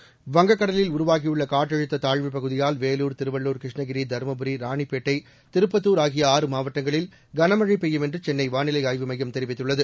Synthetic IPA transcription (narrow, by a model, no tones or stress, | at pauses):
ʋɐŋɡɐkːɐɽɐlɪlʊɾʊʋaːɣɪjɯɭːɐkaːʈːɐɻɯt̪ːɐt̪aːɻʋɯpɐɣɯðɪjaːlʋeːluːɾt̪ɪɾɯʋɐɭːuːɾkɾɪʂɳɐɣɪɾid̪ʱɐɾmɐbɯɾiɾaːɳipːeːʈːɐɪ | t̪ɪɾɯpːɐt̪ːuːɾaːɣɪjɐaːrɯmaːʋɐʈːɐŋɡɐɭɪl | ɡɐnɐmɐɻɐɪpːɛjːɐmɛndrɯt͡ʃɛnːɐɪʋaːnɪlɐɪaːjʋɯmɐjːɐmt̪ɛɾɪʋɪt̪ːɯɭːɐðɯ